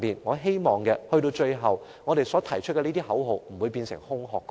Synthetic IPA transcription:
miː˨nŋɔː˨˧ɦe˥jmɔː˨ŋkɛː˧hɵ˧ɥt̪o˧wt͡ʃɵ˧ɥɦɐ˨w | ŋɔː˨˧ɾe˨jsɔː˨˥t̪ʰɐ˨˩jt͡ʃʰɵ˥kɛ˧niː˥t̪iː˥ɦɐ˨˥wɦo˨wm̩˨˩u˨˧jpiː˧nsɪ˨˩ŋhʊ˥ŋɦɔː˨kː

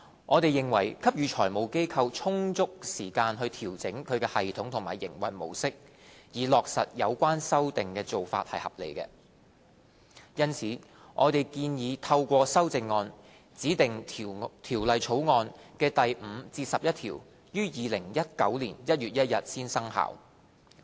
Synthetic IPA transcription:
ŋʔɔː˨˧t̪e˨jːɪ˨˩ŋwɐ˨˩jkʰɐ˥p̚jyː˨˧t͡ʃʰɔː˨˩jmo˨wke˥jkʰɐ˧wt͡ʃʰʊ˥ŋt͡sʊ˥k̚siː˨˩kaː˧nɦɵ˧ɥt̪ʰiː˨˩wt͡sɪ˨˥ŋkʰɵ˨˧ɥkɛː˧hɐ˨jt̪ʰʊ˨˥ŋt̪ʰʊ˨˩ŋma̰ː˨˩jɪ̰˨˩ŋwɐ̰˨˩jmo̰˨˩wsɪ˥k̚ | jiː˨lɔː˨k̚sɐ̰˨t̚jɐ̰˨˧wkʷaː˥nsɐ˥wt̪ɪ˨ŋkɛː˧t͡so˨wfa̰ː˧t̚hɐ̰˨jhɐ̰˨p̚lḛ˨˩jkɛ̰ː˧ | jɐ˥nt͡sʰiː˨˥ | ŋʔɔː˨˧t̪e˨jkiː˧njiː˨˧˥t̪ʰɐ˧wkʷɔː˧sɐ˥wt͡sɪ˨˧ŋːɔː˧n | t͡siː˨˥t̪ɪ˨ŋt̪ʰiː˨˩wlɐ˨jt͡sʰo˨˥wŋɔː˧nkɛː˧t̪ɐ˨jm̩˨˧t͡siː˧sɐ˨p̚jɐ˥t̚t̪ʰḭː˨˩w | jyː˥jiː˨˧lɪ˨˩ŋjɐ˥t̚kɐ̰˨˥wliː˨˩njɐ˥t̚jyː˨t̚jɐ˥t̚jɐ˨t̚siː˥nsɐ˥ŋha̰ː˨˩w

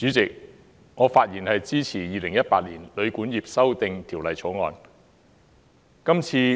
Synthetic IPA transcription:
t͡syː˨˥t͡sɪ˨k̚ | ŋɔː˨˧faː˧t̚jiː˨˩nhɐ˨jt͡siː˥t͡sʰiː˨˩jiː˨˧lɪ˨˩ŋjɐ˥t̚pa̰ː˧t̚liː˨˩nlɵ˨˧ɥkuː˨˥njiː˨˩p̚sɐ˥wt̪ɪ˧ŋt̪ʰi˨˩wlɐ˨jt͡sʰɔː˨˥ŋɔ̰ː˨˧n | kɐ˥mt͡sʰiː˧

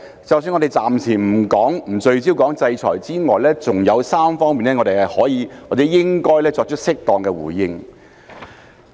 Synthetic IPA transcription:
t͡sɐ˨ws̬yː˧nŋɔ˨˧de˨˩jt͡saː˨mt͡sʰiː˨˩m̩˨˩kɔː˨˥ŋm̩˨˩t͡ʃɵ˧ɥt͡siː˥wkɔː˨˥ŋt͡sɐ˧jt͡ʃʰɔ̰ː˨˩jt͡siː˥ŋɔː˨jlɛː˥t͡sʊ˨ŋjɐ˨˧wsaː˥mfɔː˥ŋmiː˨nɛː˥ŋɔ˨˧te˨jɐ˨jhɔː˨˥jiː˨˧w̚ːt͡sɛ˨˥jɪ˥ŋkɔː˥jlɛː˥t͡sɔː˧k̚t͡ʃʰɵ˥k̚sɪ˥k̚t̪ɔː˨ŋkɛː˧wṵː˨˩jɪ˧ŋ

